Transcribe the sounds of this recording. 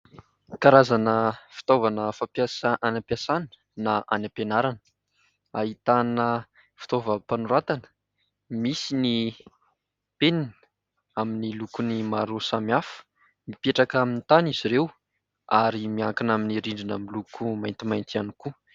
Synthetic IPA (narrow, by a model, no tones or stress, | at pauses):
kaɾazanəfi̥t̪ovanəfapjasəʔanapasanə̥ | naʔa̰napenaɾanə | aɦit̪anə | fi̥t̪ovəpanuɾat̪anə̥ | misini | penin | aminilukunimaɾosamiafə̥ | mipeʈ͡ʂakamint̪aniziɾew | aɾimiaŋkinaminiɾiɳɖ͡ʐinəmilukumajnt̪imajnt̪ianiku